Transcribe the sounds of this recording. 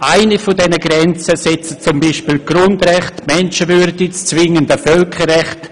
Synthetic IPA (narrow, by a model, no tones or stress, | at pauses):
ʔaɪnifɔdɛnəɡɾɛnt͡səsɛt͡sət͡sʊmbiʃpiːlɡ̥rʊndrɛχtmɛnʃəvyɾdɪt͡st͡svɪŋəndəfœlkʰərːɛχt